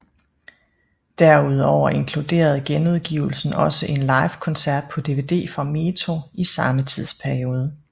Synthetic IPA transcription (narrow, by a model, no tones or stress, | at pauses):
d̥æɐ̰uð̞̰ˠɒʊ̰ɐe̝nkʰlud̥e̝̰ːɐð̞̩ˠɡ̥enuð̞̩ˠɡ̥iːʊl̩sn̩ɒ̽səʔe̝nlɑ̈ɪfkʰɒ̽nsæɐd̥̚pʰɒ̽d̥e̝ʋe̝ːd̥e̝̰ːfɒ̈me̝ːt͡sʰo̝isɑ̈mət͡sʰið̞̰ˠspʰæɐio̝ːð̞ˠə